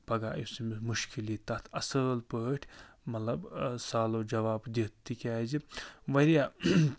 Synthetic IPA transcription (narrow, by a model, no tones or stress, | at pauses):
pɐɡaːjisimimuʃkilit̪ɐt̪ʰɐsəːlpəːʈʲʰ | mɐt̪lɐbsaːlod͡ʒɐʋaːbd̪it̪ːikʲaːd͡ʒiʋɐɾja